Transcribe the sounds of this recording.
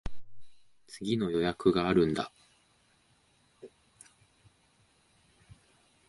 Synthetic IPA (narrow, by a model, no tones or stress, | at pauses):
t͡sɨɡʲino̞jo̞jakɯ̟ɡaːɾɯ̟̃nd̪a̰